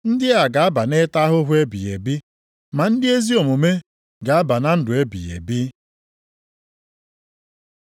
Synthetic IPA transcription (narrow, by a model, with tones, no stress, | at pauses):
n̩˦dɪ˦a˨ɡa˨a˦ba˨ne˦ta˦ɦʊ˦ɦʊ˦e˦bi˨jḛ˨bi˦ | ma˨n̩˦dɪ˦e˦zi˦o˨mʊ˨me˦ | ɡa˨a˦ba˨na˦n̩˦dʊ˨e˦bḭ˨jḛ˨bi˦